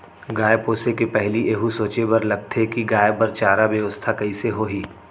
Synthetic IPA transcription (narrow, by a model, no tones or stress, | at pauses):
ɡaːepoːsekepɛɦliʔeːɦusoːt͡ʃebɐɾlɐɡ̚t̪ʰekiɡaːebɐɾt͡ʃaːɾabjəʋəst̪ʰakɐiseɦoːɦiː